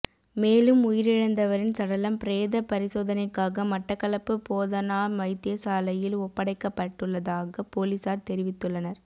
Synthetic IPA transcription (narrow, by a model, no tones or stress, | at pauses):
meːlɯmʊjɪɾɪɻɐnd̪ɐʋɐɾɪnsɐɽɐlɐmpɪɾeːðɐpɐɾɪsoːðɐnɐɪkːaːɣɐmɐʈːɐkːɐɭɐpːɯpoːðɐnaːmɐɪt̪ːɪjɐsaːlɐjɪlɔpːɐɽɐɪkːɐpːɐʈːɯɭːɐðaːɣɐpoːlisaːɾt̪ɛɾɪʋɪt̪ːɯɭːɐnɐɾ